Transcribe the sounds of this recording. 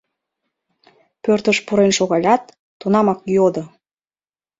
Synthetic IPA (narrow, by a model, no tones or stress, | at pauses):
pørt̪əʃpuɾenʃoɣɑlʲɑt̪ː | unɑmɑkjod̪ə